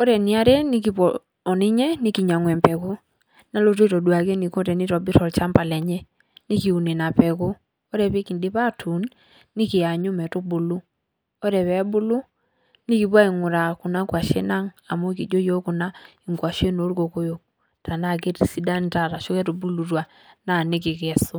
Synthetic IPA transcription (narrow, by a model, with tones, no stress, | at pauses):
o˦ɾɛ˨ni˦a˦ɾɛ˦ni˦k̬i˨pɔ | ɔ˨ni˦ɲɛ˦ni˦ki˨ɲa˨ŋwɛ˨mpɛ˨ko˦ | na˦lo˦t̬e˦tɔ˨dwa˨ke˦ni˨ko˦ɾɛ˨ni˦tɔ˨bi˦ɾɔ˨lt͡ʃa˦mpa˨lɛ˨ɲɛ˦ | ni˦ki˨u˨ne˨na˨pɛ˨ko˦ | ɔ˦ɾɛ˨pe˦ki˨ndi˦pa˦tʰu˨nː | i˦ki˨a˨ɲu˦mɛ˨to˦bu˨lu˦ | ɔ˦ɾɛ˨βɛ˨˦bʊ˦lu˦ | ni˦ki˨pwa˦i˨ŋʊ˨ɾa˨kʊ˨na˦kwa˨ʃḛ˦na˦ŋa˨mo˦ki˨d͡ʒo˦jo˦kʊ˨na˦ | ɪ˨ŋkwa˨ʃe˦no˨˦ɾko˨ko˦jo˨k̚ | tʰa˨na˦k̬e˦tsi˦da˦nta˨ɾa˨ʃʊ˦kɛ˦to˨bu˦lu˨twa˨ | na˦˨nɪ˦kɪ˨kɛ˨sʊ˦